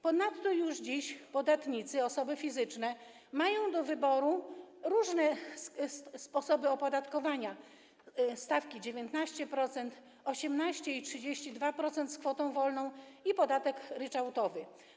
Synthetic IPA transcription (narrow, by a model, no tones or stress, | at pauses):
pɔnat̪ːɔjuʐd͡ʑiɕpɔd̪at̪ɲit̪sɘɔsɔbɘfʲizɘt͡ʂnɛ | majɔ̃w̃d̪ɔvɘbɔɾuɾuʐnɛ | spɔsɔbɘɔpɔd̪at̪kɔvaɲa | st̪afkʲid͡ʑevʲjent̪naɕt͡ɕɛpɾɔt̪sɛnt̪ | ɔɕɛmnaɕt͡ɕɛitʂɘd͡ʑeɕt͡ɕid̪vapɾɔt̪sɛnt̪skfɔt̪ɔ̃w̃vɔlnɔ̃w̃ipɔd̪at̪ɛkɾɘt͡ʂawt̪ɔvɘ